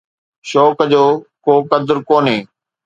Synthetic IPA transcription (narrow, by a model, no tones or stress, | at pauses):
ʃoːkd͡ʑoːkoːkəd̪ɾkoːnɦeː